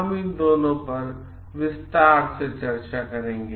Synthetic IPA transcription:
əmĩd̪oːnõpɐɾ | ʋɪst̪aːɾset͡ʃɐɾt͡ʃakɐɾẽːɡeː

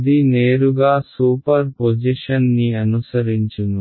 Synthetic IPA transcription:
d̪ineːɾuɡaːsuːpɐɾpod͡ʒiʃɐnːiɐnusɐɾiɲt͡ʃunu

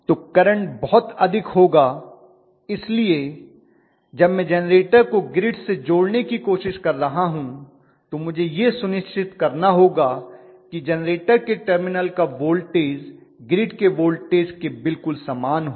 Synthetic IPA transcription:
t̪oːkɐɾə̃ɳʈbɔɦɔt̪ɐd̪ʱɪkɦoːɡaː | ɪslie | d͡ʒɐbmɛ̃d͡ʒɛnɾeːʈəɾkoɡɾɪɖsed͡ʒoːɽnekikoːʃɪʃkɐɾːɐɦaɦũ | t̪omʊd͡ʒʱejesʊnɪʃt͡ʃʰɪt̪kɐɾnaɦoːɡakid͡ʒɛnɾeːʈəɾkeʈəɾmɪnəlkaʋoːlɖʈeːzɡɾɪʈkeʋoːlʈeːzkebɪlkʊlsaːmaːnɦo

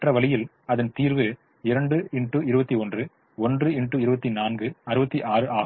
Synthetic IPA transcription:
ɐʈrɐʋɐɭɪjɪl | ɐðɐnt̪iːɾʋɯ | ɪɾɐɳɖɯɪɳʈːɯɪɾɯbɐt̪ːiɔndrɯ | ɔndrɯɪɳʈːɯɪɾɯbɐt̪ːinaːnɡɯɐɾɯbɐt̪ːiʔaːrɯʔaːɣɯm

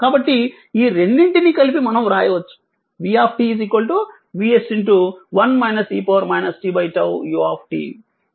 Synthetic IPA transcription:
kaːbɐʈːi | iːɾeɳɖiɳʈinikɐlipimɐnɐmɾaːjɐʋɐt͡ʃːu̥ | ʋiːaːp̚ʰʈiːziːkʋɐlʈu | ʋiːesiɳʈuʋɐnmɐjnɐsiːpɐːɐɾmɐjnɐsʈiːbɐjʈɐwjuaːp̚ʰʈḭː

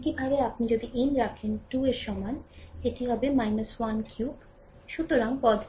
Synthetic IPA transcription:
kibʱabeapnid͡ʑod̪iʔenɾakʰenʈueɾʃɔmaeeʈiɦɔbemajnəswankʰjuk | ʃut̪oɾaŋpɔd̪

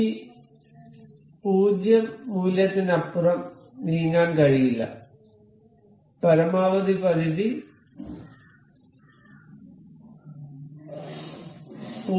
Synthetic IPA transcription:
i | puːd͡ʑjɐmːuːljɐt̪ːinɐpːurɐm | niːŋaːnkɐɻijilːɐ̰ | pɐɾɐmaːʋɐd̪ipɐðiði | puː

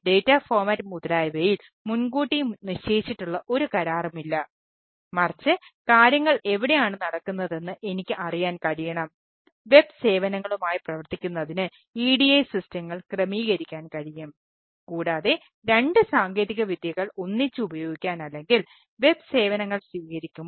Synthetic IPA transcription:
ɖe̞ːtːaːfoːrmɐtːmud̪ɐɾaːjbɐjil | munɡuːʈːijniɕt͡ɕeːit͡ɕːiʈːuɭːɐʔo̞ɾukɐɾaːrɐmilːɐ | mɐrt͡ɕːɨkaːɾjɐŋːɐɭe̞ʋiɽe̞jaːɳɨnɐɽɐkːunːɐðe̞nːɨʔe̞nikʲːɨʔɐrijaːnkɐɻijɐɳɐm | ʋe̞bse̞ːʋɐnɐŋːɐɭumaːjiprɐʋɐrt̪ːikʲːunːɐðinɨ | iːɽijɐjsistɐŋːɐɭkrɐmiːɣɐɾikʲːaːnkɐɻijɐm | kuːɽaːðe̞ | ɾe̞ɳɖɨsaːŋɡe̞ːðiɣɐʋid̪jɐɣɐɭonːit͡ɕːɨubɐjo̞ːɡikʲːaːnɐlːe̞ŋɡil | ʋe̞b̚se̞ːʋɐnɐŋːɐɭsʋiːɣɐɾikʲːum

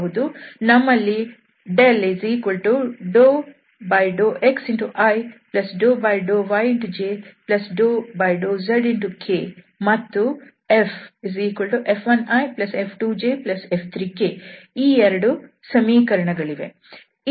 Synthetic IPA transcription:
ɦud̪unɐmːɐlːi | ɖelezikulʈuɖoː | bɐjɖoːʔeksiɳʈuʔajplɐsɖoːbajɖoːʋajiɳʈud͡ʒeːplɐsɖoːbɐjɖoːzɐɖiɳʈukʰeː | mɐt̪ːu | efziːkɐɭʈuʔepʰʋɐnaːjplɐsepʰʈuːd͡ʒeːplɐsepʰt̪ʰɾiːkeːiːɛɾɐɽu | sɐmiːkɐɾɐɳɐɡɐɭiʋḛ

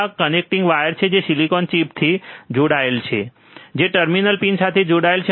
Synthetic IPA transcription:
kənek̚ʈiŋɡʋajəɾt͡ʃʰed͡ʒesilikɔnt͡ʃip̚t̪ʰid͡ʒoɽaelt͡ʃʰḛ | d͡ʒeʈəɾminəlpinsat̪ʰed͡ʒoɽaelt͡ʃʰe

